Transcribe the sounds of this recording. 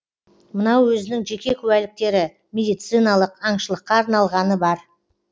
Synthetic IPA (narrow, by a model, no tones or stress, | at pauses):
mənɑwwɵzɪnɪŋʒe̞kʲe̞kʲʰʉwælɪk̚t̪e̞ɾɪ | mʲe̞d̪ijt̪sɨjnɑlˠəqɑɴʃəlˠəqːɑːɾnɑlˠʁɑnəbɑɾ